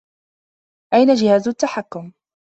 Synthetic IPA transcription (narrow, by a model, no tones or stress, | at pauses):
ʔajnad͡ʒɪhaːzʊt̪ːaħakːʊm